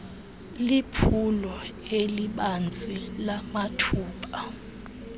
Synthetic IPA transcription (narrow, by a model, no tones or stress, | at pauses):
lipʰulɔeliɓand͡zʼilamatʰuːpʼa